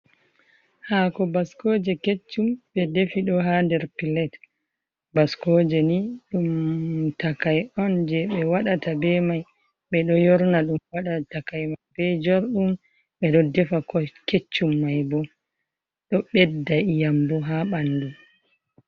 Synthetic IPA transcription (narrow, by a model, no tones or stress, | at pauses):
hakɔbaskoːd͡ʒɛket͡ʃːumɓɛdefiɗɔɦandɛɾpilɛt | baskod͡ʒɛniɗumtakajɔnd͡ʒɛɓɛwaɗatabɛmaj | ɓɛɗɔjɔɾnaɗumwaɗatakajmajbɛd͡ʒɔɾɗum | ɓɛɗɔdɛfakɔket͡ʃːumːajbɔ | ɗɔɓɛdːajambɔɦaɓanːdu